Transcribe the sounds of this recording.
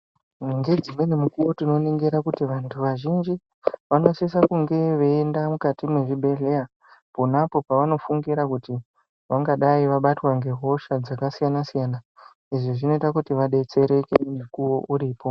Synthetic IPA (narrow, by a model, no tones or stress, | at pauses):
ŋɡe̞d͡zimwe̞nemukuwo̞tino̞neŋɡeɾakutiʋantʰuʋaʒind͡ʒi | ʋano̞sis̬akuŋɡe̞ʋe̞ːndamukatimwe̞ʐibʱe̞ɮe̞ja | ponapo̞paʋano̞fuŋɡiɾakuti | ʋaŋɡaɗaiʋaɓatwaŋɡe̞ɦo̞ʃad͡zakasijanasijana | iʐiʐino̞itakutiʋaɗe̞t͡se̞ɾe̞kemukuwo̞ʔuɾiːpo̞